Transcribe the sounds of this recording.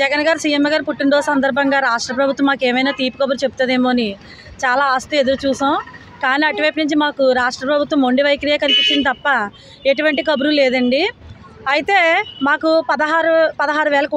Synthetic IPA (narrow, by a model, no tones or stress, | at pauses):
d͡ʒɛɡɐnɡaːɾsijemːɐɡaːɾpuʈːiɳɖoːsɐnd̪ɐɾbʱɐŋɡaːɾaːʂʈɾɐp̬ɾɐbʱut̪ʋɐmːaːkeːmɐjnaːt̪iːpukɐbuɾut͡ʃe̞bu̥t̪uaːd̪e̞ːmoːɐni | t͡ʃaːlaːaːst̪ue̞d̪uɾut͡ʃuːsaː | kaːniːɐʈiʋɐjpinuɲt͡ʃimaːkuɾaːʂʈɾɐpɾɐbʱut̪ʋɐmːoɳɖiʋɐjkɐɾijaːkɐnipit͡ʃːind̪it̪ɐpːɐ | e̞ʈuʋɐɳʈikɐbuɾuleːd̪ɐɳɖi | ɐjit̪eːmaːkupɐd̪ɐɦaːɾupɐd̪ɐɦaːɾuʋɛːlɐkː